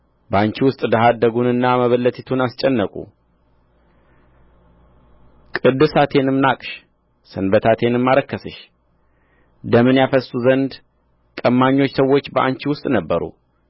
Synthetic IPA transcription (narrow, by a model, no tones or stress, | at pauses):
bəant͡ʃiwʊst̪ʼd̪əɦad̪ːəɡunɨnːaməβəlːət̪ʰit̪ʰunast͡ʃʼɛnːəkʼṵ | kʼɨd̪ːɨsat̪ʰe̞nɨmnakʼʃ | sɨnbət̪ʰat̪ʰe̞nɨmːaɾəkːəsɨʃ | d̪əmɨnjafəsːuzənd̪ | kʼəmːaɲːo̞t͡ʃːsəwːo̞t͡ʃːbəʔa̰nt͡ʃiwʊst̪ʼnəbːəɾṵ